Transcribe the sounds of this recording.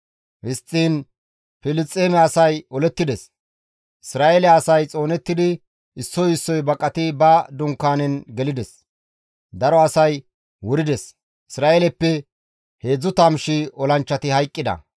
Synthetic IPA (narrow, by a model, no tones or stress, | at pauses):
hɪst͡sʼːiːn | fɪlɪt͡sʼːeːmɛɐsɐjɔlɛt̪ːɪd̪ɛs | ɪsɾaːʔelɛɐsɐjt͡sʼo̞ːnɛt̪ːɪd̪ɪ | ɪsːɔjɪsːɔjbɐkʼːɐt̪ɪbɐd̪ʊŋkːaːnɛnɡɛlɪd̪ɛs | d̪ɐɾɔɐsɐj | wʊɾɪd̪ɛs | ɪsɾaːelɛpːɛ | he̞ːd͡zːʊt̪ɐmʃɪɔlɐnt͡ʃːɐt̪ɪhɐjkʼːɪd̪ɐ̰